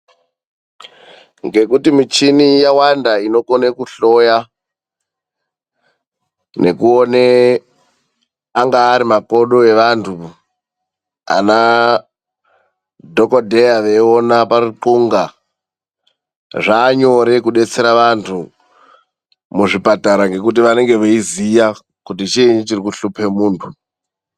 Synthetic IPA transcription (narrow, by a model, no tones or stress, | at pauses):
ŋɡe̞kutimit͡ʃinijawandaino̞konekuɬo̞ja | ne̞̰kuone | aŋɡaːɾimako̞ɗo̞e̞ʋantʰu | a̰na | dʱokodʱejaʋeonapariǃuŋɡa | ʐaːɲo̞ɾe̞kuɗe̞t͡se̞ɾaʋantʰu | muʐipataɾaŋɡe̞k̬ut̬iʋane̞ŋɡe̞ʋeizija | kutit͡ʃiɲit͡ʃirikuɬupʰe̞muːntʰu